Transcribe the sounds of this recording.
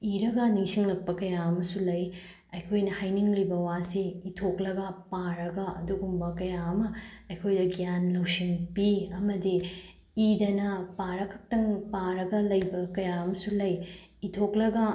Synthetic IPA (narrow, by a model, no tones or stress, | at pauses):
iɾɐɡɐniŋsiŋlɐk̚pɐkɐjaɐmɐsulɐj | ɐjkʰojnɐhajniŋlibɐwaseitʰoklɐɡɐpaɾɐɡɐɐduɡumbɐkɐjaɐmɐɐjkʰojdɐɡijanlɐwsiŋpiɐmɐdiː | dɐnɐpaɾɐkʰɐ̥k̚tɐŋpaɾɐɡɐlɐjbɐkɐjaɐmɐsulɐjitʰoklɐɡɐ